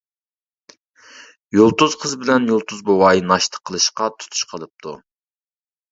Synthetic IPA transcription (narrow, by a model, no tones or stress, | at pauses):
jolˠt̪uzqʰəzbɪlɛnjolˠt̪ʰuzbowɑːjinɑʃt̪ʰə̥qʰːəlˠɨʃqɑt̪ʰu̥t̪ʰu̥ʃqʰəlˠɨp̚t̪ʰṵ